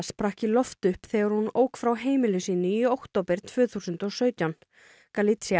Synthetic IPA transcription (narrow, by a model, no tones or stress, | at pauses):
spɾahcɪlɔft̪ʏhpθɛːɣaɾ̥hunoːwkfɾawɦeːjmɪlʏsiːnʏiowkt̪oːwpɪɾ̥t̪ʰv̥ʏːθuːsʏnt̪ɔsœːɥt̪jawn | kalit̪sia